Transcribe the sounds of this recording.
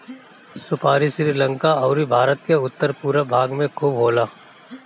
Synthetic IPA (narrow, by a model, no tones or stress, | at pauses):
sʊpʰaːɾisɾiːlə̃ŋkaɔːɾibʱaːɾət̪̚keʊt̪ːəɾpuːɾabʱaːɡmẽkʰuːbɦoːlaː